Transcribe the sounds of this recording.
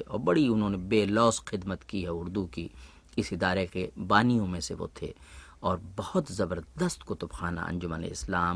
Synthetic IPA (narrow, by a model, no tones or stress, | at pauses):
ɔːɾbɐɽiʊnɦõːnebeːlɔːsxɪd̪mət̪kiɦɛʊɾd̪uki | ɪsɪd̪aːɾekebaːnijõmẽseʋo̰t̪ʰḛ | ɔːɾbɐhʊt̪zɐbəɾd̪əst̪kʊt̪ʊbxaːna̰ʔɐ̰̃nd͡ʒʊmənḛɪslaːm